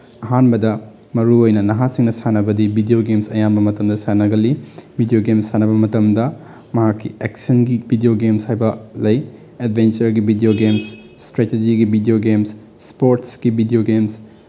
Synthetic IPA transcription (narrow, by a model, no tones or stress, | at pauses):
ɐɦanbɐdɐ | mɐɾuojnɐnɐɦasiŋnɐsanɐbɐdibʱidijoɡemsɐjambɐmɐtɐmdɐsanɐɡɐlibʱidioɡemsanɐbɐmɐtɐmdɐ | mɐɦakːiek̚sɐnɡibʱidioɡemshajbɐlɐj | ed̚bʱent͡ʃɐɾɡibʱidioɡemsː | tɾeted͡ʒiɡibʱidioɡemsː | poɾtsɡ̥ibʱidioɡems